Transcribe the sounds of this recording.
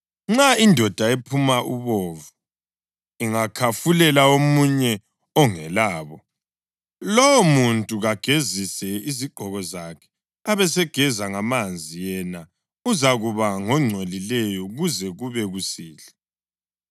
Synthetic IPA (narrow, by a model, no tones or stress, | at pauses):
ŋ͡ǁaindʱɔd̥ʱaepʰumaʔuβɔːvu | iŋakʰafulɛlaomuɲɛ | ɔŋɛlaːβɔ | lɔwomuntʼuɣaɡ̥ʱezisɛiziɡ͡ǃʱɔɣɔzakʰɛ̥ | aβɛsɛɡ̥ʱɛzaŋamand͡zʱijɛna | uzaɣuβaŋɔŋ͡ǀʱwelilɛjɔɣuzɛɣuβɛɣusiːɬɛ